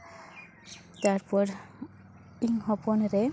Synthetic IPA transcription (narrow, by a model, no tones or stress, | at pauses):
t̪aɹpɔɾ | iŋhɔpɔnɾe